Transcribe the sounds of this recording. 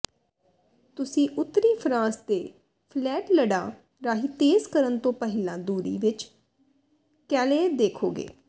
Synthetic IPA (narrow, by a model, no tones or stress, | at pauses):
t̪ʊsĩːʔʊt̪ːɾiːpʰɾãːst̪eː | pʰlɛːʈləɽãː | ɾaːɦiːt̪eːzkəɾənt̪õːpəɦɪlãːd̪uːɾḭːʋɪt͡ʃ | kɛːleːd̪eːkʰoːɡḛː